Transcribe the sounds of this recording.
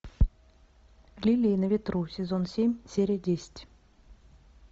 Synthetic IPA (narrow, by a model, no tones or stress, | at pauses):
lʲilʲiːnəvʲɪt̪rusʲɪzonsʲemʲsʲeɾʲɪjədʲesʲɪ̥tʲ